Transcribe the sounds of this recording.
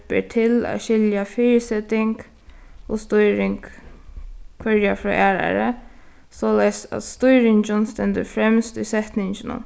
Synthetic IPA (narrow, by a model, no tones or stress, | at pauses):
pḛt̪ʰɪla̰ʃɪljafɪːɾsɛt̪ɪŋk | ɔːst̪ʊjɾɪŋk | kʰfœɹjafɾɔ̰ːʔæːɹa̰ɹə̰ | soːlajst̪æ̰t̪st̪ʊjɾɪɲt͡ʃʊnst̪ɛnt̪əfɾɛmst̪ʊjsɛht̪nɪɲt͡ʃɪnʊ̰n